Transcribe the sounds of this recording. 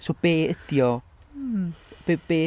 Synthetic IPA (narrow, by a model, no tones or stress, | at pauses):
sob̥eːəd̥jɔ | b̥eb̥eː